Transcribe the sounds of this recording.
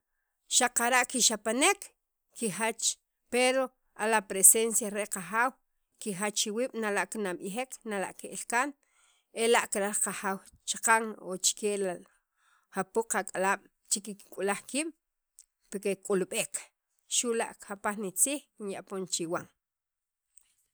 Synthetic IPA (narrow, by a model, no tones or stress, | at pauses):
ʃaqaɾaʔkiʃapanek | kixat͡ʃ | peɾo | alapɾesensjaɾeʔqaχaːw | kixat͡ʃːiwiːɓ̥nalaʔkinaɓixeknala̰ʔkeʔilkan | elaʔkiɾaqaxaːw | t͡ʃḁqaŋo̰t͡ʃkela | hapuq͡χakʼalaːɓ̥ | t͡ʃikikkʼulaχkiːɓ̥ | pekekʼulɓeːk | ʃula̰ʔkxapaχnit͡siːχkinjaʔpont͡ʃiwaŋ